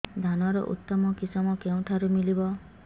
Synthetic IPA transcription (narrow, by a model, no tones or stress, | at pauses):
d̪ʱanɔɾɔ̰ʔṵt̪ːɔmɔkisɔmɔkeũʈ̪ʰaɾumilibɔ